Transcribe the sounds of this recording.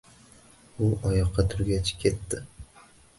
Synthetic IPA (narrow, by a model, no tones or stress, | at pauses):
ʊɒjɒqʰːɑt̪ʰʊɾɡʲat͡ʃʰɪ̥kʲʰe̞t̪ːɪ